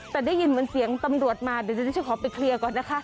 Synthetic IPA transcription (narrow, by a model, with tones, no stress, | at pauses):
t̪ɛː˨˩da˥˩ji˧nmɤː˧nsi˨˩˦əŋt̪a˧mɾu˨˩ət̪̚maː˧di˨˩˦d̪a˥˩t͡ɕʰːjkʰɔː˨˩˦pa˨˩kʰli˧əkɔː˨˩nːa˦˥kʰa˦˥ʔ